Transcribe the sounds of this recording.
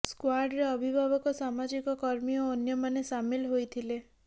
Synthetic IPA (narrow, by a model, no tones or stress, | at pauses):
skwaɾɖɾeɔbʱibʱabɔkɔsamad͡ʒikɔkɔɾmiɔoːnjɔmanesamilɦojt̪ʰile